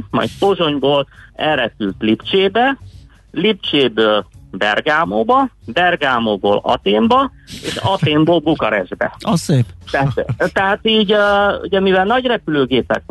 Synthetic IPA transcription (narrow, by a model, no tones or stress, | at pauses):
mɒ̰jt̪̚poʒo̞ɲboːlɛlɾɛpylt̪lipt͡ʃeːbɛ | lipt͡ʃeːbøːlbɛrɡaːmoːbɒbɛrɡaːmoːbo̰ːlɒ̰t̪eːmbɒ | ḛːʃɒt̪eːmboːlɡukɒɾɛʒbɛ̰oseːt̪ɛat̪t̪ɛɦaːt̪iːɟṵɟɛmivɛlnɒɟrɛpyløːɡeːpɛ̰k